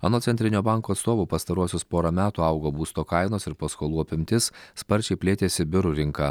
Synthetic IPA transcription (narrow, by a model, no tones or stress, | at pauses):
ɐnoːt̪sʲɛnʲt̪ʲɾʲɪnʲoːbɑˑŋkoːt̪st̪oːʋuːpɐst̪ɐɾuɔsʲoːspoːɾɐmʲæːt̪uːɐʊɡoːbuːst̪oːkɐɪnoːsɪɾpɐskoːlˠuːɐpʲɪmʲt̪ʲɪsspɐɾʲt͡ʃʲɛɪpʲlʲeːt̪ʲeːsʲɪbʲɪɾʊɾʲɪŋkɑ